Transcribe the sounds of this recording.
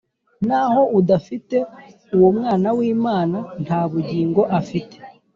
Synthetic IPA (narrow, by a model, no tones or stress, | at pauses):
naːho̞ʔudafite̞ | uwomŋaːnawiːmaːnan̥haːβuɟiːŋɡo̞ʔafite̥